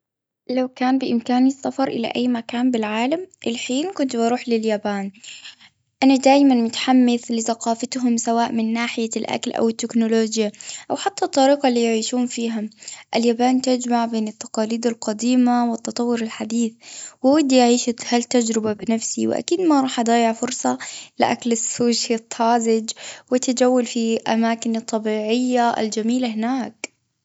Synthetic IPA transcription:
lawkaːnbɪʔɪmkaːnisːafɑɾˤʔɪla̰ʔajːmakaːnbɪlʕaːlamʔɪlħiːnkʊnt̪bɑɾˤuːħlɪljaːbaːn | ʔanad̪aːjmanmʊt̪ħamːɪθlɪθaqɑːfat̪ɦʊmsawaːʔmɪnːaːħɪjalʔa̰klʔa̰wɪt̪ːɪknʊloːd͡ʒjaʔawħat̪ːat̪ˤːɑɾiːqɑlːiːjʕiːʃuːnfiːɦʊmʔaljabaːnt̪ɪd͡ʒmaʕbeːnɪt̪ːɑ̥qɑːliːd̪alqɑd̪iːmawɪt̪ːɑt̪ˤɑwːʊɾɪlħad̪iːθwɪwad̪ːiʔaʕiːʃahalt̪ːad͡ʒɾɪbabɪnafsiwɪ̰ʔa̰kiːd̪maɑɾˤɑːħʔɑd̪ˤɑːjɪʕfʊɾsˤɑlɪʔaklɪsːoːʃat̪ʰːɑːzɪd͡ʒwɪt̪ɪd͡ʒawːalfiʔa̰maːkɪnɨt̪ˤːɑbiːʕɪjːaʔɪ̰ld͡ʒamiːlahɪnaːk

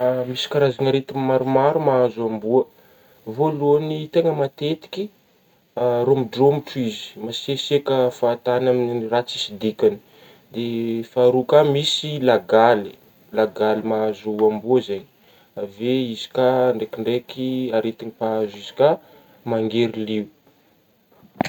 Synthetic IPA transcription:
misi̥kaɾazanaɾet̪imaɾumaɾumaazuambuə | volunit̪eŋəmat̪et̪i̥kʲi | aɾomiɖ͡ʐromiʈ͡ʂuizi̥masesekəfaːt̪anaminiirat͡sisid̪ikʲani̥ | d̪efaɾukamisilaɡali̥ | laɡalimaazuambuəzeɲi̥ | aveizi̥kaɳɖ͡ʐekiɳɖ͡ʐekiaɾet̪inipaazizi̥ka | maŋɡeɾiliu

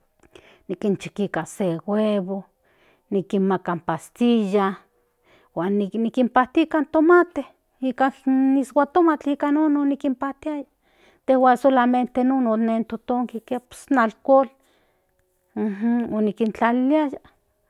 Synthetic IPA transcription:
nikint͡ʃi̥kikaseweβo | nikinmakampast̪ija | waːninikimpaht̪ikant̪omat̪e | ikaniswat̪omat͡ɬikanononikimpaht̪iaja | t̪ehwasolament̪enononent̪ot̪oŋkikepo̥snalkol | h̩onikint͡ɬaliliaja

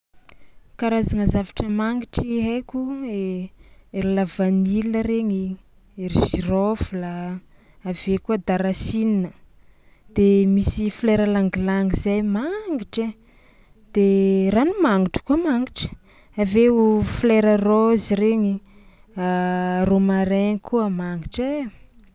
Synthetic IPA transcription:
kaɾazaŋəzavaʈ͡ʂəmaŋɡiʈ͡ʂiɦekʲue | eɾilavaniləɾeɲi | eɾiʃirofula | avekuəd̪aɾasininə | d̪̥emisifleɾəlaŋɡilaŋizajmaŋɡiʈ͡ʂe | d̪̥eranumaŋɡiʈ͡ʂə̥kuəmaŋɡiʈ͡ʂə̥ | aveufleɾəroziɾeɲi | aromaɾeɲikʰuəmaŋɡiʈ͡ʂe

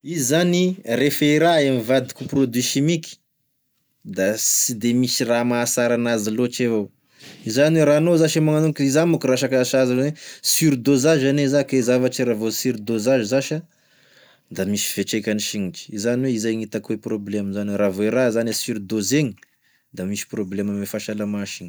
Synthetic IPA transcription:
izanirefeiɾaemivad̪i̥kuprod̪wiʃimiki̥ | d̪asid̪emisiramasaɾanazilot͡ʃevo | izaniweɾanozaʃemaŋanuŋkizamukuɾaʃakaʃazalowesyɾid̪ozaʒanezakeizavat͡ʃiɾavosiɾid̪ozaʒizaʃa | d̪amisi̥v̥eʈ͡ʂejkʲaniʃiŋit͡ʃi̥izaniweizajŋit̪akweproblemnzanweɾavoeɾazanesiɾid̪ozeɲi | d̪amisi̥problemamefaʃalamaʃiŋi̥

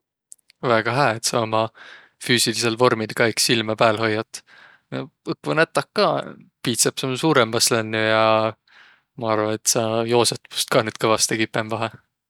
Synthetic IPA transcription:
væːɡ̥ɑɦæːet̪sɑomɑ | fyːsilise̞lvo̞rmilkɑiksilmɑpæːlɦo̞jːɑt̪ˑ | noɯkːvunæt̪ːˑɑkːɑː | piːt̪sɑpsɑmsuːɾemvɑslænːujɑ | mɑɑrvɑne̞t̪ːsɑjo̞ːset̪pu̥st̪̚kɑnyːd̪̥kɤvɑst̪ekipːˑemvɑɦe

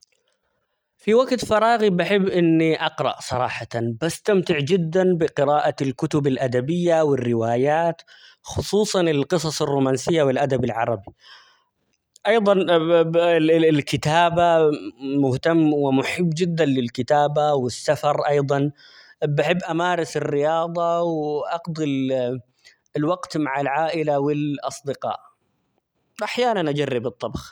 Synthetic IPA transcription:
fiwaɡt̪fɑɾˤɑːɣibaħɪbːʔɪnːiʔɑqɾˤɑ̰ʔsˤɑɾˤɑ̰ːħɑt̪anbast̪amt̪ɪʕd͡ʒɪd̪ːanbɪqɪɾaːʔalkʊt̪ʊbalʔad̪abɪjːawɪrːɪwaːjaːt̪ | xʊsˤuːsˤɑnɪlqɨs̬ˤɑsˤɪrːuːmaːnsɪjːawɪlʔad̪abalʕɑɾˤɑbi | ʔɑjðˤɑn | lkɪt̪aːbamʊht̪amːwɪmʊħɪbːd͡ʒɪd̪ːanlɪlkɪt̪aːbawɪsːafɑɾˤʔɑjðˤɑn | bɪħɪbːʔamaːɾˤɪsɪrːɪjɑːðˤɑwʔɑqd̪ɪl | lwɑɡt̪maʕalʕaːʔɪlawɪlʔɑsˤd̪ɪqɑ̰ːʔ | ʔaħjaːnanʔad͡ʒarːɪbɨt̪ˤːɑbx

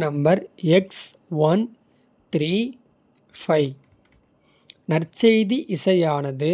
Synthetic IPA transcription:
nɐmbɐɾɛksʋɐn | t̪ɾiː | fɐɪ | nɐɾt͡ʃɐjðiʔɪsɐjaːnɐðɯ

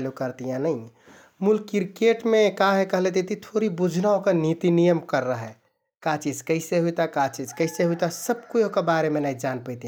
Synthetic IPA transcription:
lukəɾt̪ijãnəɪ | mulkiɾkeʈmekaɦekəɦlet̪ʰit̪it̪ʰoɾibud͡ʒʱnaõkenit̪inijəmkəɾːəɦɛ | kat͡ʃid͡ʒkəɦɪseɦujt̪akat͡ʃid͡ʒkəɪseɦujt̪asəb̚kuokebaɾemenaid͡ʒanpəɪt̪ĩã

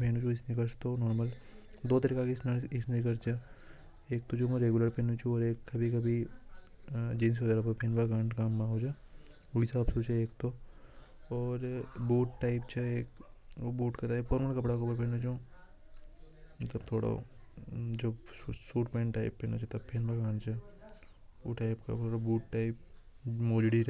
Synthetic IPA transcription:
pʰeːnũt͡ʃʰũɪsnikəɾst̪onɔːɾməl | d̪oːt̪ɐɾiːkãkesnaɪsnikɐɾt͡ʃʰe | eːk̚t̪od͡ʒoːmõɾeːɡʊləɾpeːnũt͡ʃʰũɔːɾeːkːɐbʱikɐbʱi | d͡ʒeːns̬ɦoːd͡ʒ̪aɾapɐpenbakaːɳʈkaːmːãɦoːd͡ʒaː | ʊɽisaːbsoːt͡ʃeeːkt̪o | ɔːɾbuːʈʈaːɪpt͡ʃʰeeːkːbuːʈkat̪aːɪpfɔːɾməɾkɐpɽakopəɾpɛ̃ːnot͡ʃũ | t̪ɐbt̪ʰoːɽa̰ | d͡ʒoːsuːʈpẽːɳʈaːɪpːẽːnot͡ʃʰet̪ɐbpʰenbakãːɳɖt͡ʃʰɛ | oʈaːɪpka̰oːɽabuːʈʈaːɪp̚moːd͡ʒɽiɾ

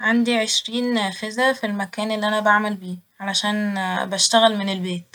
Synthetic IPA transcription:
ʕand̪iʕeʃɾiːnfezæfilmækæːnʔelːiʔænæbaʕmælbiːʕalæʃæːnbæʃt̪æɣælmenelbeːt̪

